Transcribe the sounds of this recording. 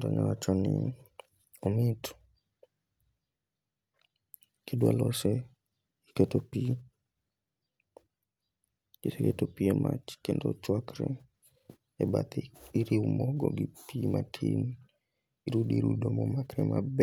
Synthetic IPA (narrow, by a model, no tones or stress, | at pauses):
dɔɲawat͡ʃɔnɪ | ɔmɪtʰ | kidwalɔsɛ | iketopi | keteketopiemʔat͡ʃkendot͡ʃwakɾɛ | ɛbat̪ɪiɾiwmɔɡɔɡipimatʰin | iɾudiɾudomomakɾɛmab